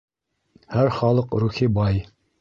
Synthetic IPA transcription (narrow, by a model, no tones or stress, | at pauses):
hæɾχɑlˠɤqɾuxibɑj